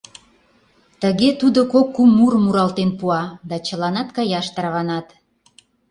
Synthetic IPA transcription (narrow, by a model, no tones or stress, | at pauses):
t̪əɣet̪ud̪okokːumːuɾmuɾɑlt̪enpuɑd̪ɑt͡ɕəlɑnɑt̪kɑjɑʃt̪ɾɑβɑnɑt̪